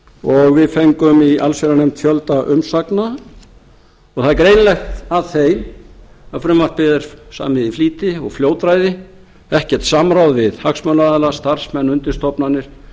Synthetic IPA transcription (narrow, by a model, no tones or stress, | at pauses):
ɔɣvɪðfejŋkʏmialsɛɾanejmt̪fjœlt̪aʔʏmsakna | ɔɣθakɾeːjnlɛxt̪aðθejm | aðfɾʏmvar̥t̪̚pɪðɪɾ̥sa̰ːmɪðifliːt̪ɪɔɣfljoːwt̪ɾajðɪ | ɛhcɛɾ̥t̪saːmɾawðvɪðhaksmœnaaðlast̪ar̥smɛnːʏnt̪ɪ̥st̪ɔpnanːɪɾ̥